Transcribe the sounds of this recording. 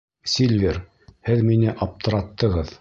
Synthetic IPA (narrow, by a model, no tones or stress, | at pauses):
sʲilʲvʲeɾ | hɘðminɘʔɑp̚t̪ʰɤ̆ɾɑt̪ːɤ̆ʁɤð